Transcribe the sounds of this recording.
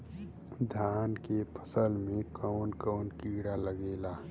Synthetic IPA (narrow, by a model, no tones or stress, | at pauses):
d̪ʱjaːnkepʰə̥səlmẽkɔːnkɔːnkiːɽaləɡeːlaː